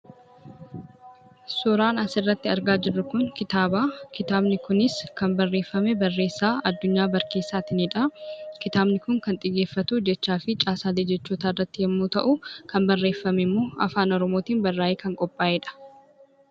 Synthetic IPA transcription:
sʊɾaːnɐsɪrːɐt̪ːɪɐɾɡaːd͡ʒɪrːʊkʊŋkɪt̪aːbaːkɪt̪aːbnɪkʊnɪskɐmbɐrːe̞ːfːɐmɛbɐrːe̞ːsːaːɐd̪ːʊɲːaːbɐɾke̞ːsːaːt̪ɪniᶑɐkɪt̪aːbnɪkʊŋkɐnt̪ʼɪɡeːfːɐt̪uːd͡ʒɛt͡ʃːaːfɪt͡ʃʼaːsaːleːd͡ʒɛt͡ʃːuːt̪aːrːɐt̪ːɪhɛmːuːt̪ɐ̰ʔʊkɐmbɐrːe̞ːfːɐmɛmːoːɐ̰faːnɔɾɔmo̞ːt̪iːnbɐrːaːjeːkɐŋkʼɔpʼːaːʔɛᶑɐ̥

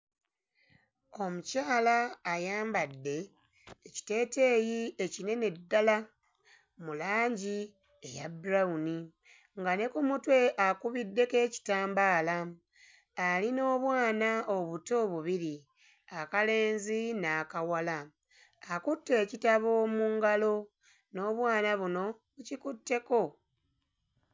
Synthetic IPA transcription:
o̞mucaːlaːjaːmbadːe̞ː | ci̥te̞ːte̞ːjie̞cine̞ne̞dːala | mulaːɲɟi | ejabuɾauni | ŋɡane̞kumutwe̞ʔakuβidːe̞ke̞ːci̥taːmbaːla | alino̞ːβwaːnao̞βuto̞ːβuβiɾi | akale̞ːnzinaːkawala | akutːe̞ːcitaβo̞ːmuːŋɡalo̞ | no̞ːβwaːnaβuno̞ | βucikutːe̞ko̞

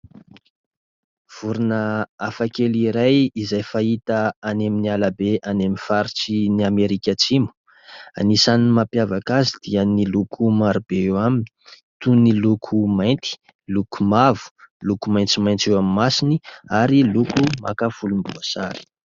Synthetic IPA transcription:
v̥uɾunəafakeliɾajizajfait̪aːneminialabeʔanemifaɾit͡siniameɾikʲat͡simu̥ | a̰nisaniimapjavakazid̪̥iənilukʰumaɾubeewamini̥ | t̪unilukʰumajnt̪i̥ | luku̥mavu̥lukumajnt͡simajnt͡sewammasiniaɾilukuma̰kafulumbuasa̰ɾi̥

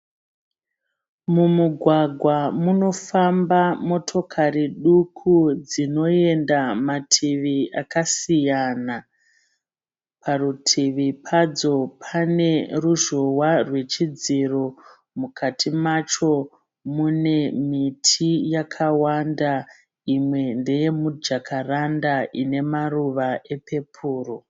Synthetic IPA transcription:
mumuɡʱwaɡʱwamuno̞fambamo̞tʰo̞kʰariɗukʰud͡zino̞e̞ndamatʰiʋiakasijana | pʰarutʰiʋipʰad͡zo̞pʰane̞ruʒowarwe̞t͡ʃid͡ziro̞ | mukʰatʰimat͡ʃo̞ | mune̞mitʰijakʰawanda | imwe̞nde̞je̞mud͡ʒakʰarandaʔine̞maruʋaʔe̞pʰe̞pʰuːro

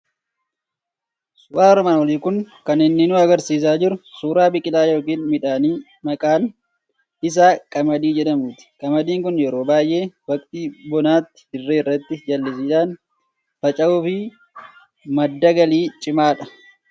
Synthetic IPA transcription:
sʊʔaːɾɔmaːnwɔliːkʊŋkɐnɪnːɪnuːɐɡɐɾsiːs̬aːd͡ʒɪɾʊsuːɾaːbɪkʼɪlaːjo̞ːkiːnmɪᶑaːniː | mɐkʼaːn | ɪs̬aːkʼɐmɐd̪iːd͡ʒɛᶑɐmuːt̪ɪ̥kʼɐmɐd̪iːŋkʊnjɛɾo̞ːbaːjʔe̞ːwɐkʼt̪ibɔnaːt̪ːɪ̥hɪrːeːɪrːɐt̪ːɪd͡ʒɐlːɪs̬iːᶑaːn | fɐt͡ʃʼɐuːfɪ | mɐd̪ːɐɡɐliːt͡ʃʼɪmaːᶑɐ̥

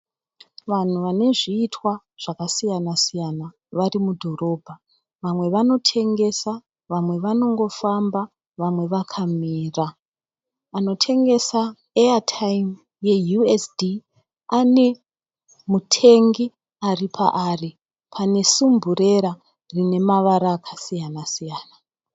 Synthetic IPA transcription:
ʋan̤uʋane̞ʐiːtʰwa | ʐ̥akasijanasijana | ʋaɾimudʱo̞ro̞bʱa | ʋamwe̞ʋano̞tʰe̞ŋɡe̞sa | ʋamwe̞ʋano̞ŋɡo̞famba | ʋamwe̞ʋakʰamiːra | ano̞tʰe̞ŋɡe̞sa | eatʰajm | je̞juesdi | ane̞ | mutʰe̞ŋɡi | aripʰa̰ʔari | pʰane̞sumbure̞ɾa | rine̞maʋaɾaːkʰasijanasijaːna

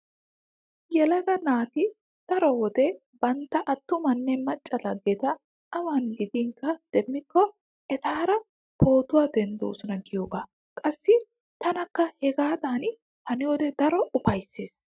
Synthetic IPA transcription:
jɛlɐɡɐnaːt̪ɪ | d̪̥ɐɾɔwɔd̪ɛ | bɐnt̪ːɐʔɐt̪ːʊmɐnːɛmɐt͡ʃʼːɐlɐɡːɛt̪ɐ | ɐwaːnɡɪd̪iːŋkːɐd̪̥ɛmːɪkːɔ | ɛt̪aːɾɐ | pʰoːt̪ʊwaːd̪ɛnd̪o̰ːsʊnɐɡɪjoːɡa | kʼɐsːɪ | t̪ɐnɐkːɐhɛɡaːd̪aːn | hɐnɪjɔd̪ɛd̪ɐɾɔʊpɐjsːeːs

